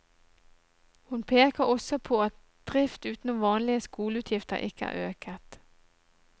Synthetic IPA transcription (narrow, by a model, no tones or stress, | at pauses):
hʊnpʰeːkəʁɔsɔpʰoːɑt̪̚ | d̪̥ʁɪft̪ʉːt̪nʊʋɑːnlɪəskuːləʉːt̪ʰjɪft̪ə̰ʁʔɪ̰kːəæ̰ːʁøːkət̪